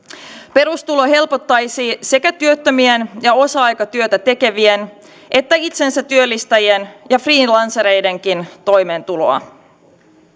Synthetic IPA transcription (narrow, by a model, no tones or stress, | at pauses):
pe̞ɾust̪ulo̞ɦe̞lpo̞t̪ːɑjsise̞kæt̪yø̞t̪ːømienjɑo̞sɑɑjkɑt̪yøt̪æt̪e̞ke̞ʋien | ʔe̞t̪ːæit̪se̞nsæt̪yølːist̪ɑjenjɑfriːnlɑnsɑɾe̞jde̞ŋk̟int̪o̞jme̞ːnt̪ulo̞̰ɑ̰